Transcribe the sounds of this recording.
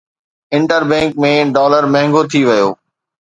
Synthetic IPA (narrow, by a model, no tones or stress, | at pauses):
ɪ̃ɳʈəɾbɛ̃ːŋkmẽɖɔːləɾmɐ̃ɦɪ̃ŋɡot̪ʰiʋɐjoː